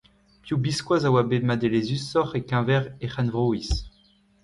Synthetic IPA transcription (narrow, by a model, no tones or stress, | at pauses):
pjubiskwazawabemad̪elezysɔχekɛ̃vɛʁeχanvʁois